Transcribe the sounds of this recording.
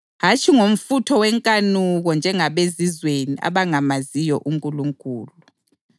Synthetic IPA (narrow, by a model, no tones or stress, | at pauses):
ɦat͡ʃʰʼiŋom̩futʰɔwɛŋkʼanuɣɔnd͡ʒʱɛŋaβezizwenia̰βaŋamazijɔʔuŋkʼuluŋkʼuːlu